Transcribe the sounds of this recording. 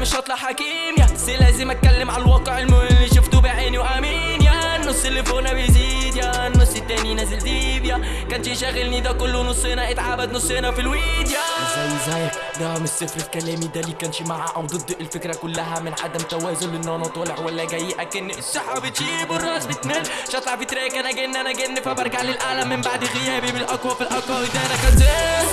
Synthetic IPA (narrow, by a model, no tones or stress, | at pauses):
mɪʃʔɑt̪ˤlɑħːakiːmjaselæːzɪmʔæt̪̚kælːɪmʕalwɑːqeʕelmlːiʃʊft̪ubaʕeːniwʔæmiːnjanːʊsːelːefoːnabejziːd̪ja | nːʊsˤːɪt̪ːæːninæzɪlzibjæ | kænt̪iʃæɣɪlnid̪ækʊlːwnosˤːeːnæʔɪt̪ʕabad̪nosˤːenæfilwiːd̪jæzæjzæj | d̪æmsːɪfɾɪlkælæːmid̪ælːiːkænʃimaʕaʔawd̪ɨd̪ːʔɪlfɪkɾækʊlːæɦæmɪnʕa̰d̪æmt̪æwæːzʊlʔɪnːhænɑt̪ˤɑːlɪʕwælːæɡæjːiʔækɪnːʔɪsːɑħɑbɪt̪ʃibʊrˤːɑːsbɪt̪næːnʃɑt̪ˤlɑʕfit̪ɾæːjkænæɡɪnːʔænæɡenːfæbɑɾˤɡaʕlɪlʔaːlæmːɪmbaʕd̪ɣɪjæːbibɪlʔɑkwæfilʔɑkwɑwid̪æʔnækænt̪æ